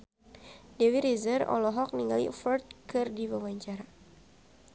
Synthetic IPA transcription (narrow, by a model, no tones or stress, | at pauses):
dewiɾizərɔ̰lɔɦɔk̚niŋɡalḭfɔrt̪̚kɨrdiwawaɲt͡ʃaɾa